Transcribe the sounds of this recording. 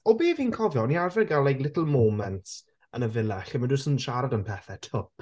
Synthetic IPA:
ɔbiːviːnkʰɔvjɔniarvɛɡalˠɛjɡlˠɪtl̩ˠmoːmɛnts | ənəvɪlˠɛɬəmədʊsənʃaɾadənpʰɛθɛtʰʊp̚

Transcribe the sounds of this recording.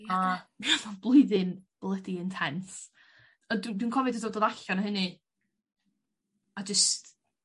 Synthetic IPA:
aavablˠʊɨðɪnb̥lˠədiɪntʰɛns | ɔdwindwinkʰɔvɪdəsɔdoːðaɬɔnaɦɨnɨ | ad͡ʒəst

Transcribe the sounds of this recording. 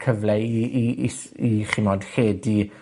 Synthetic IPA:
kʰəvlɛiis | iχɪmɔd̥heːdi

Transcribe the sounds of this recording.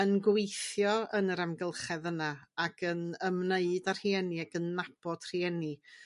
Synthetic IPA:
ənɡwejθjɔənəɾamɡəlˠχɛðənaakʰənəmneɨdar̥hiɛniaɡənːab̥ɔd̥r̥iɛni

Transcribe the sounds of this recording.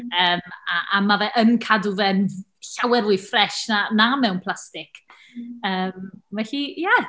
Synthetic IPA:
əːmaʔamavɛʔənkʰaduvɛn | ɬawɛɾʊɨfrɛʃnanamɛwnpʰl̥ˠastɪk | əːmvɛɬija

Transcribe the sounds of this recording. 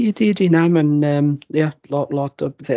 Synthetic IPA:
jədidinamə̃nəmjalɔʔlɔtəbðɛ

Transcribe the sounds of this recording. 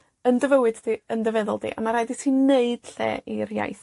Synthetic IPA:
əndəvəwɨddiəndəvɛðɔ̰lˠdḭʔa̰maɾaɨditʰineɨd̥ɬɛ̰ːirja̰jθ

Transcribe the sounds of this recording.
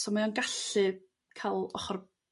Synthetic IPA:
sɔmajɔnɡaɬɨ | kʰalˠɔχɔr

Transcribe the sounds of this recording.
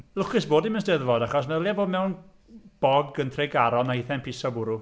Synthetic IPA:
lˠʊkɪsboːdiməsd̥ɛðvɔdaχɔs̬mɛljavoːdmɛwn | b̥ɔɡəntʰreɡaɾɔnaɪθɛnpʰɪsɔbʊɾu

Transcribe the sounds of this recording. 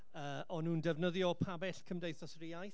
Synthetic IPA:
əːɔnuːndɛvnəðjɔpʰabɛɬkʰəmdejθɔsriajθ

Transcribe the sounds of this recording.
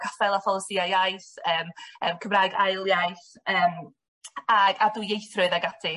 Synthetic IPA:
kʰafɛlˠafɔlˠəsiajajθəːməːmkʰəmraːjɡajlˠjajθəːm | aɡaduːjejθrʊɨðaɡatʰɪ

